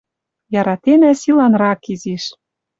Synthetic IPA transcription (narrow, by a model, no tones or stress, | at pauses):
jɑɾɑt̪enæsilɑnrɑkiziʃ